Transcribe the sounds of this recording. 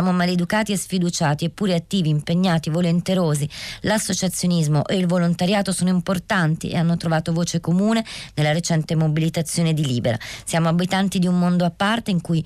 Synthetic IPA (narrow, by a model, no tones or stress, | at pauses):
saːmomaled̪ukaːt̪iesfid̪ut͡ʃaːt̪iepːuːɾeat̪ːiːviːmpeɲːaːt̪ivolent̪eɾoːzilasːot͡ʃat̪sːjonizmoʔeilvolont̪aɾjaːt̪osoːnoimport̪ant̪ḭḛanːot̪ɾovaːt̪ovoːt͡ʃekomuːnenelːaɾet͡ʃɛnt̪emobilit̪at̪sːjoːned̪iliːbeɾa̰sjaːmoabit̪ant̪id̪iumːond̪oapːart̪eiŋkuj